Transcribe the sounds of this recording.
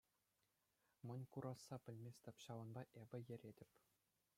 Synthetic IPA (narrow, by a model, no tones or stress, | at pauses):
mɤ̆nʲkuɾʔɑsːɑpʲɘ̆lʲmʲesʲtʲɘ̆pʲɕɑʋɤ̆nbɑʔebʲɘ̆jɘ̆ɾʲedʲɘ̆pʲ